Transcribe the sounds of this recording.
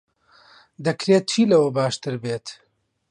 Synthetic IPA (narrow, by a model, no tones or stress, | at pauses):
d̪ɐkɾeːt̪̚t͡ʃʰiːlɐwɐbaːʃt̪ɨɾbeːt̪